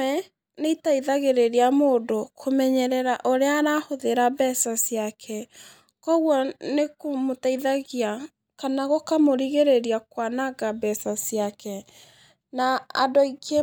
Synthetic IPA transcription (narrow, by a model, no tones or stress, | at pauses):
ɛ | neitaiðaɣeɾeɾeamoːdokʰomɛɲɛɾɛɾaʔoɾeaːɾahoðeɾabɛsasjakʰɛ | kɔɣwɔnekomotaiðaɣia | kanaɣokamoɾiɣeɾeɾiakwanaɡabɛsasiakʰɛ | na̰ːdoikʰe